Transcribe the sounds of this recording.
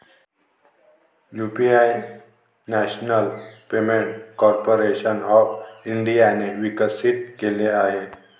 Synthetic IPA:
jupiaj | næɕnəlpemeɳʈkɔɾpoɾeɕənɔfiɳɖijaneʋikəsit̪̚keleaɦe

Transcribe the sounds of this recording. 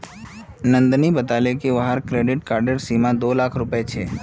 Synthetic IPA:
nə̃nd̪nibət̪alekeʋaɦəɾkɾeɖɪʈkaːɾɖəɾsimãd̪olakʰɾʊpjet͡ʃʰeː

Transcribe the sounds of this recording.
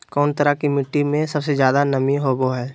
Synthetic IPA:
kɔːnt̪əɾakimɪʈːimẽsɐbsezjaːd̪anɐmĩɦoːboɦɛː

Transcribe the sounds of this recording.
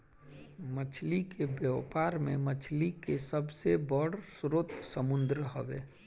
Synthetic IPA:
mət͡ʃʰlikebjəʋpaːɾmḛ̃mət͡ʃʰlikesəbsebəɽsʊɾʊt̪səmʊ̃nd̪ɾəɦoʋeː

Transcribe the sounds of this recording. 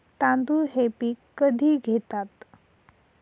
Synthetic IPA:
t̪ãnd̪uɦepiːkːəd̪ʱiːɡʱet̪at̪

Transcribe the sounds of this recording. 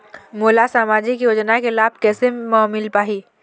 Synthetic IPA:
moːlasaːmaːd͡ʒikijoːd͡ʒnakelaːb̚kɛːsemaːmɪlpaːɦiː

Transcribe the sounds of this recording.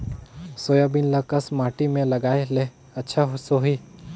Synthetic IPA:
soːjabinləkəsmaːʈimẽlɐɡaːele | ɐtːʃʰaɦosoɦiː

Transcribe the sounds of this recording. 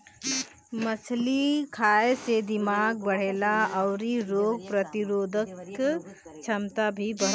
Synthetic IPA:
məsʰlikʰaːesed̪ɪmaːɡ̚bəɽ̤eːlaɔʊɾiɾoːɡ̚pɾət̪ɪɾoːd̪ʱək | t͡ʃʰəmt̪abʱibəɽ

